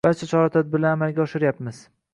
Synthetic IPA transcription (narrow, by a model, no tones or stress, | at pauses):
baɾt͡ʃʰat͡ʃʰɒɾɑt̪ʰad̪̚bɪɾlaamalɡʲaɒʃɪɾjapmɪz̥